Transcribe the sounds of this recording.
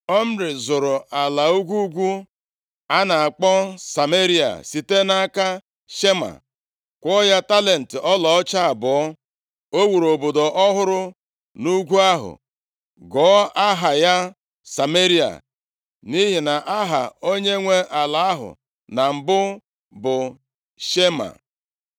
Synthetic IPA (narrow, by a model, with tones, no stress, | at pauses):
ɔ˦m̩˦ɾɪ˨zʊ˨ɾʊ˨a˨la˨u˦ɡʷu˦ɡʷu˦ | a˦na˨a˨k͡pɔ˦sa˨me˦ɾi˦a̰˨si˨te˦na˦ka˦ | ʃe˦ma̰˨ | kʷɔ˦ja˦ta˦le˨n̩˨tɪ˨ʔɔ˦lɔ˨ɔ˦t͡ʃa˦a˨bɔ˨ɔ˦ | o˦wu˨ɾo˨bo˨do˨ʔɔ˦ɦʊ˦ɾʊ˦ | nu˦ɡʷu˦a˦ɦʊ̰˨ | ɡɔ˨˦a˦ɦa˨ja˦ | sa˨me˦ɾi˦a̰˨ | ni˦ɦi˨na˨ʔa˦ɦa̰˨o˦ɲe˦ŋʷe˦ʔa˨la˨a˦ɦʊ̰˨ | na˨m̩˨bʊ˦ | bʊ˨ | ʃe˦ma̰˨